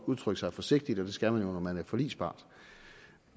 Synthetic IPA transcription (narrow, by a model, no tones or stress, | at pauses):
uðˠt͡sʰʁœɡ̥əsɑ̈ɪfɒ̽se̝ɡ̥̚d̥id̥ɒ̽d̥e̝sɡ̥æmænjo̝nɒmænæɐfɒ̽lḭːsb̥ɑ̰̈ːd̥